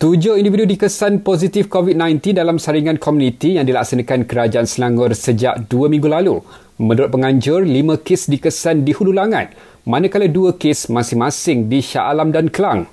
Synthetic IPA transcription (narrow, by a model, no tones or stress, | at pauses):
t̪ud͡ʒʊhindividudikəsanpoz̬it̪ifkovit̪̚nãjnt̪indalamsaɾiŋãnkʰɔmjũnĩt̪ijaŋdilak̚sanãkankəɾad͡ʒaʔansəlaŋɡʊrsəd͡ʒa̰ʔduəmĩŋɡulalu | mə̃nuɾʊt̪̚pəŋãɲd͡ʒʊrlimə̃kɪsdikəsandihululaŋã̰t̪̚ | mãnãkaladuəkesmãsɪŋmãsɪŋdiʃa̰ʔalamdankəlaŋ